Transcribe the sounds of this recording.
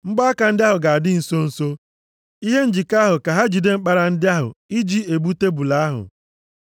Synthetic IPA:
ŋ͡m̩˦ɡ͡bɔ˦a˦ka˨n̩˦dɪ˦a˦ɦʊ˨ɡa˨a˨dɪ˦n̩˨so˦n̩˨so˦ | i˦ɦe˦n̩˦d͡ʒi˨ka˦ɦʊ˨ka˨ɦa˦d͡ʒi˨de˦ŋ͡m̩˦k͡pa˦ɾa˨n̩˦dɪ˦a˦ɦʊ̰˨i˦d͡ʒi˦e˨bu˦te˦bu˨la˨a˦ɦʊ̰˨

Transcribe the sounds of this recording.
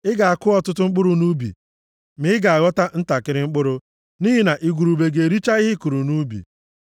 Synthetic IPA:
ɪ˦ɡa˨a˨kʊ˦ɔ˦tʊ˦tʊ˦ŋ͡m̩˦k͡pʊ˦ɾʊ˨nu˦bḭ˨ | mɪ˨˦ɡa˨a˨ɣɔ˦ta˦n̩˦ta˨kɪ˦ɾɪ˦ŋ͡m̩˦k͡pʊ˦ɾʊ˦ | niː˦ɦi˦na˨ʔi˦ɡʷu˨ɾu˨be˨ɡe˨e˨ɾi˦t͡ʃa˦ɪ˦ɦɪ˦ku˨ɾu˨nu˦bḭ˨

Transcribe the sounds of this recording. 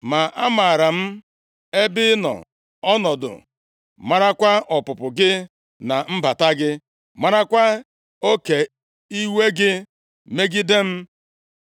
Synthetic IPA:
ma˨ʔa˦ma˨ɾa˨m̩˦ | e˦bɪ˦nɔ̰˨ | ɔ˦nɔ˨dʊ̰˨ | ma˦ɾa˦kʷa˦ʔɔ˨pʊ˨pʊ˨ɡɪ˦ | na˨m̩˦ba˨ta˦ɡɪ˦ | ma˦ɾa˦kʷa˦ | o˦ke˨ | i˦we˦ɡɪ˦ | me˦ɡɪ˦de˦m̩˦

